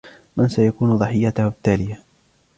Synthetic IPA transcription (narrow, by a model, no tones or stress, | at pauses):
mansajakuːnðˤɑħɪjːat̪ʊhʊbɪt̪ːaːlɪja